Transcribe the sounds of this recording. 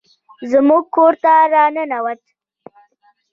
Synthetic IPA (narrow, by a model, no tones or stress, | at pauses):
zmuɡ̚koɾt̪aɾɑnənawat̪